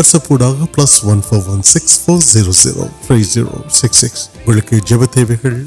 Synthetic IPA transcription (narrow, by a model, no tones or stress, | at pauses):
ɐɾsɐpuːɽaːɡɐplɐsʋɐnfʰɐʋʋːɐnsɪksfoːɾziɾoːzḭɾo̰ːt̪ʰɾiːzḭːɾo̰ːsɪksːɪksʋɐɭked͡ʒɐbɐt̪eːʋekɐɭ